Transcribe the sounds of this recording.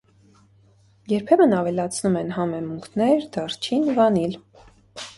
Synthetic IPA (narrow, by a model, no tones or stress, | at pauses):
jɛɾpʰɛmənɑvɛlɑt͡sʰnumɛnɦɑmɛmuŋkʰnɛɾd̪ɑrt͡ʃʰinvɑnil